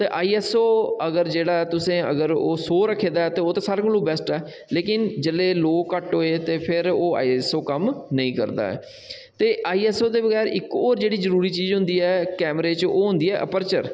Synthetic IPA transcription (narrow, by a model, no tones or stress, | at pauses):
t̪eːʔaːiːɛːsoːəɡəɾd͡ʒeːɽaːɛːt̪ʊsẽːəɡəɾoːsoːɾəkʰːeːd̪aːɛːt̪eːoːt̪ãːsaːɾkəlõːbɛːsʈɛː | leːkɪnd͡ʒəlːeːloːkəʈɦoːeːt̪eːpʰɪɾoːa̰ːiːɛːsoːkəmnəĩːkə̰ɾd̪a̰ːɛ̰ː | t̪eːʔaːiːɛːsoːd̪eːbəɡɛːɾɪkoːɾd͡ʒeːɽiːzəɾuːɾiːt͡ʃiːzɦʊ̃nd̪iːɛːkɛːmɾeːt͡ʃoːɦʊ̃nd̪iːɛːʔəpəɾt͡ʃəɾ